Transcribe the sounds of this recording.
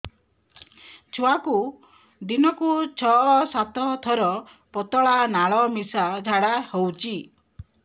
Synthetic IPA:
t͡ʃʰuaku | d̪inɔkut͡ʃʰɔɔsat̪ɔt̪ʰɔɾɔ | pɔt̪ɔɭanaɭɔmisad͡ʒʱaɽahowt͡ʃʰi

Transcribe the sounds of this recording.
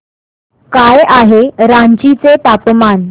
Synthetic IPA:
kajaɦeɾãɲd͡ʑit͡set̪apman

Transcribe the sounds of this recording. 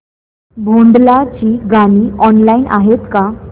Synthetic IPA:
bʱoɳɖlat͡ɕiːɡaniːɔnlainʔa̰ɦet̪ka

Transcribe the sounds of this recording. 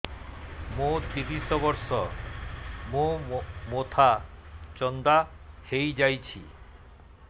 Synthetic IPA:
mõt̪iɾisɔbɔɾsɔ | mũmot̪ʰat͡ʃɔnd̪a | hejd͡ʒajt͡ʃʰḭ

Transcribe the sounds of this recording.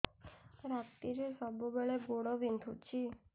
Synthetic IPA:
ɾat̪iɾesɔbobeɭeɡoɽoʋint̪ʰũt͡ʃʰi

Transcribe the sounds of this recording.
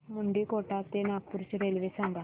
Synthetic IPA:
muɳɖikoʈat̪enak̚puɾt͡ɕɾelʋesaŋɡa

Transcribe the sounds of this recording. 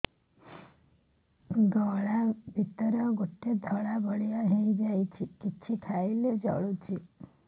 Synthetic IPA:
ɡɔɭabʱit̪ɔɾɔɡoʈed̪ʱɔɭabʱɔɭijɔɦeid͡ʒajt͡ʃʰikit͡ʃʰikʰajled͡ʒɔ̰ɭut͡ʃʰi

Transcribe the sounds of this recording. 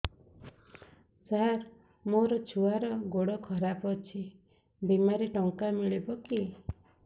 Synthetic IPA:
saɾ | moɾɔt͡ʃʰuaɾɔɡoɽɔkʰɔɾapɔt͡ʃʰi | bimaɾiʈɔŋkamiɭibɔki

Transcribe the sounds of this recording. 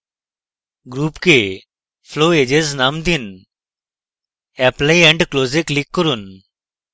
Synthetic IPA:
ɡɾuːpke | fʰloːeːd͡ʒeznaːmd̪in | ɛplaiɛ̃ɳɖkloːzeklikːəɾuːn

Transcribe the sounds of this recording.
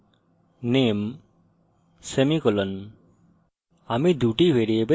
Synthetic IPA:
nem | semikɔlən | amid̪uʈibʱeɾijebe

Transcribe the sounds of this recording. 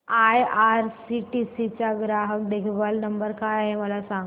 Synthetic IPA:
ajaɾsiʈisit͡ɕaɡɾaɦəkd̪ekʰʋəlnəmbəɾkajaɦeməlasaŋ

